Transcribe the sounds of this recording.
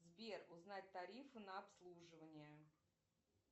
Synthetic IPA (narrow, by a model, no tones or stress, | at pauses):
zbʲerʊznat̚ʲt̪ɐɾʲifɨnəɐpslˠuʐɨvənʲɪjə